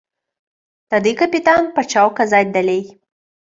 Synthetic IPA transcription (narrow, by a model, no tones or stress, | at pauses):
t̪ad̪ɨkɐpʲit̪anpɐt͡ʃɑwkɐzatʲd̪ɐlʲej